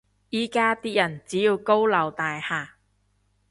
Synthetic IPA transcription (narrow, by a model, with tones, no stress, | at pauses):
jiː˥˩kaː˥t̪iː˥jɐ˨˩nt͡siː˨˥jiː˨˧wko˥wlɐ˨˩wt̪aː˨jhaː˨˩